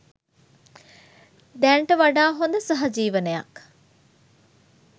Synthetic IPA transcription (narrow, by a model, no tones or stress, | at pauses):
d̪ɛɳʈəʋaɖaːɦond̪əsɐɦɐd͡ʒiːʋənejɐ̰k